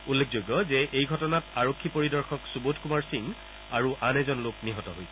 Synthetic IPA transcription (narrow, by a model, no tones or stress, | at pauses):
ulːekʰzojɡːɔzɛʔejɡʱɔtɔnataɹokʰːipoɹidɔɹxɔksubotʰkumaɹsiŋ | aɹuʔanɛzɔnlokniɦɔtɔɦojs